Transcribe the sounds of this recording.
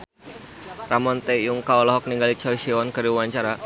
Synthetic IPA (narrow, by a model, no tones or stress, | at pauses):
ramɔnt̪ɛjuŋkaɔlɔɦɔk̚niŋɡalit͡ʃɔisiɔnkɨɾiuaɲt͡ʃaɾa